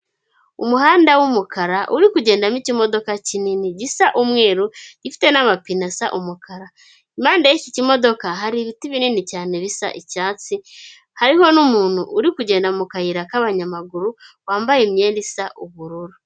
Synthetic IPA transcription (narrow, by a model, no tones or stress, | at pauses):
umuhaːndawumukʰaɾaʔuɾikuɟe̞ːndamicimo̞do̞kacininiɟisaʔumŋe̞ːɾuɟ̥ifi̥te̞namapinasa̰ʔumukaɾa | imaːndajicicimo̞do̞kaɦaɾiβitiβininicaːne̞βisa̰ʔicaːt͡si | haɾiho̞numuːn̥huʔːɾikuɟe̞ːndamukahiɾakaβaɲamaɡuɾuwaːmbajemɲe̞ːndisaʔuβuɾuɾu